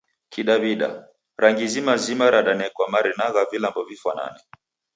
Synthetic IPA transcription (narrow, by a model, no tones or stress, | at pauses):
kʰiɗaβiɗa̰ | ɾaŋɡizimazimaɾaɗanɛkwamaɾinaɣavilambɔvifwana̰nɛ